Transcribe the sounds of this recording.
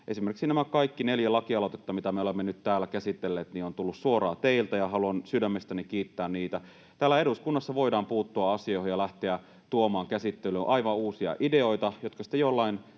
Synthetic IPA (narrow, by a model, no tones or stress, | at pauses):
ʔesimerksinæmækɑikːineljælɑkiɑlot̪et̪ːɑmit̪æmeolemːenyt̪t̪æːlːækæsit̪ːelːeːt̪niont̪ulːussuoɾɑːt̪eilt̪æjɑɦɑluɑnsydæmːest̪ænikiːt̪ːæːnniːt̪æ | t̪æːlːæeɾuskunːɑsːɑʋoidɑːmpuːt̪ːuɑɑsiojhojɑlæht̪eæ | t̪uomɑːŋkæsit̪ːelyʔɑiʋɑuːsiɑ̰ʔideoit̪ɑjot̪̚kɑsi̥t̪ejolːɑin